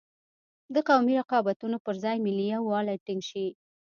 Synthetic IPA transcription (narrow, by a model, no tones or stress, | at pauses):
d̪əqawmiɾaqɑbat̪unopəɾzɑjmɪlijawɑlajʈiŋɡʃi